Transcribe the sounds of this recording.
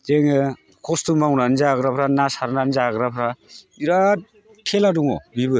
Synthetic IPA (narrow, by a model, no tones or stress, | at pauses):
zeŋɯ | kʰɔstumawnanzaɡɾapʰɾanasaɾnanzaɡɾapʰɾa | iɾa | tʰeladuŋɔ̰bibɯ